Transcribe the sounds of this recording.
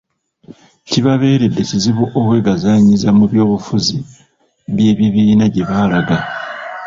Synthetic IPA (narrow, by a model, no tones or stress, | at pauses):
ciβaβe̞ːɾe̞dːe̞ciziβoʔokwe̞ːɡazaɲizamuβjo̞ːβufuzi | βje̞ːβiβiːnaɟe̞βaːlaɡa